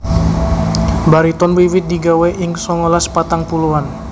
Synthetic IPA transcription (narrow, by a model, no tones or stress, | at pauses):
baɾit̪ɔnbewit̪̚diɡawɛʔiŋsɔŋɔlaspat̪aŋpuluan